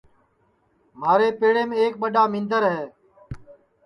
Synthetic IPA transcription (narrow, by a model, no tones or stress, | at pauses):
maːɾeːpeːɽeːmːeːk̚ɓəɗaːmɪ̃nd̪əɾɦɛː